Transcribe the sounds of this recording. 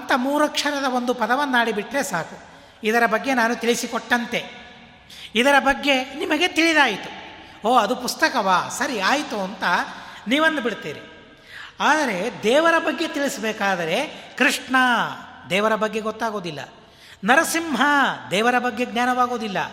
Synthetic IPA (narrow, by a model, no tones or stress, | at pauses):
ɐnt̪ɐmuːɾɐkʂɐɾɐd̪ɐo̞nd̪upɐd̪ɐʋɐnːɐːaːɽibiʈɾe̞saːku | id̪ɐɾɐbɐɡːe̞naːnut̪iɭisikɔʈːɐnt̪e̞ | id̪ɐɾɐbɐɡːe̞nimɐɡe̞t̪iɭid̪aːjit̪u | oːɐd̪upust̪ɐkɐʋaːsɐɾiaːjt̪uɐnt̪ɐniːʋɐnd̪biɽt̪iːɾi | aːd̪ɐɾe̞d̪ɛːʋɐɾɐbɐɡːe̞t̪iɭisbɛːkaːd̪ɐɾe̞kɾiʂɳɐd̪ɛːʋɐɾɐbɐɡːe̞ɡɔt̪ːaːɡo̞ːd̪ilːɐ̰ | nɐɾɐsimɦɐd̪ɛːʋɐɾɐbɐɡːe̞ɡnʲaːnɐʋaːɡo̞ːd̪ilːɐ̰